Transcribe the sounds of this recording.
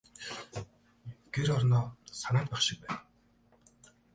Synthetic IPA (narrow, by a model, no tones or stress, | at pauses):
ɡ̥eɾɔrnɔːsanaːt̪̚pæχʃɪ̆k̚pæːn